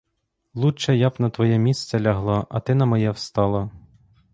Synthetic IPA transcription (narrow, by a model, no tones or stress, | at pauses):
lˠut͡ʃɛjabnɐt̪ʋɔjɛmʲisʲt̪t͡sʲɛlʲɐɦlˠɔʔɐ̰t̪ɪnɐmɔjɛwst̪ɑlˠɔ